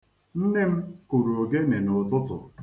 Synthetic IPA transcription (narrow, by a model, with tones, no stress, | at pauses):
n̩˦ne˦m̩˦ku˨ɾu˨o˨ɡe˦ne˨nʊ˨tʊ˦tʊ̰˨